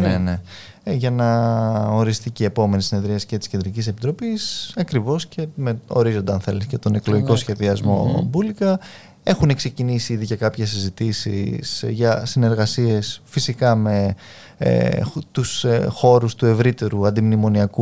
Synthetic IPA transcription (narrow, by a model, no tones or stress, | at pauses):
nene̞ | ʝɐnɐo̞ɾist̪icie̞po̞me̞nisine̞ðɾiɐsi̥ce̞t̪i̥sce̞nd̪ɾicise̞pit̪ɾo̞pisɐkɾivo̞sce̞meo̞̰ɾizo̞nd̪eɐnθe̞liscet̪o̞ne̞klo̞ʝiko̞sçe̞ðiɐzmo̞̰bulikɐ | e̞xune̞kse̞cinisiiðiʝɐkɐpçe̞sizit̪isḭsʝɐsine̞ɾɣɐsie̞sfisikɐme̞̰ | t̪usxo̞ɾust̪ue̞vɾit̪e̞ɾuɐnd̪imnimo̞niɐku